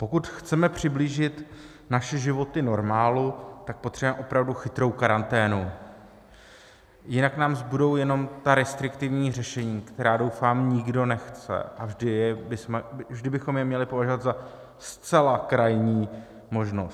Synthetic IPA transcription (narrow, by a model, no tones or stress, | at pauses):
po̞kut̪xt͡sɛmɛpr̝̥ɪbliːʒɪt̪ | naʃɛʒɪvo̞t̪ɪno̞ɾmaːlut̪ak̚po̞t̪r̥ɛbuɛmɛʔo̞pɾavduxɪt̪ɾo̞wkaɾant̪ɛːnu | jɪnaknaːmzbudo̞wjɛno̞mt̪aɾɛst̪ɾɪkt̪ɪvɲiːrɛʃɛɲiːkt̪ɛɾaːdo̞wfaːmɲɪɡdo̞nɛxt͡sɛ̰ʔavʒdɪjɛbɪsmɛvʒdɪbɪxo̞mjɛmɲɛlɪpo̞vaʒovat̪za | st͡sɛlakɾajɲiː | mo̞ʒno̞st̪